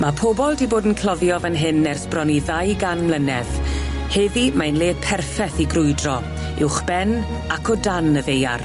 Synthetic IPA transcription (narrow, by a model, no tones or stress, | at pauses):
mapʰɔbɔlˠdiboːdn̩kʰl̥ˠɔðjɔvənɦɪnːɛrsb̥rɔniðajɡanmlˠənɛv | hɛðimajnle̥ːpʰɛrfɛθiɡrʊɨdrɔ | ɪwχb̥ɛn | akʰɔdanəveja̰r